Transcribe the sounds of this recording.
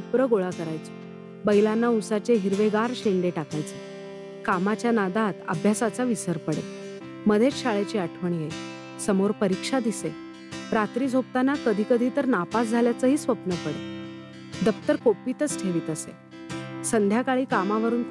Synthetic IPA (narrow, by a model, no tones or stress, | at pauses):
upɾəɡoɭakəɾajt͡se̥ | bəjlanːausat͡ɕeɦiɾʋeɡaɾɕeɳɖeʈakajt͡se | kamat͡ɕjanad̪at̪ə̰bʱjasat͡saʋisəɾpəɽḛ | məd̪ʱet͡sɕaɭet͡ɕiaʈʰʋəɳjej | səmoɾpəɾikʂad̪ise | ɾat̪ɾiːd͡zʱop̚t̪anakəd̪ʱiːkəd̪ʱiːt̪əɾnapasd͡zʱaljat͡səɦiːsʋəpnəpəɽe | d̪əp̚t̪əɾkopiːt̪ət͡sʈʰeʋiːt̪əsḛ | sənd̪ʱjakaɭiːkamaʋəɾuːn